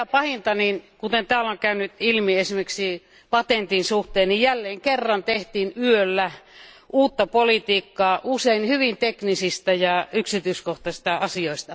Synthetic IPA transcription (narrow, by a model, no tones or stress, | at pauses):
æpɑhint̪ɑninkut̪ent̪æːloŋkæynyt̪ilmiesimeksi | pɑt̪ent̪insuht̪eːnnijælːeːŋkerːɑnt̪eht̪iːnyølːæ | ʔuːt̪ːɑpolit̪iːkːɑːʔuseinhyʋint̪eknisist̪ɑjɑyksit̪yːskoht̪ɑsist̪ɑɑsioist̪ɑ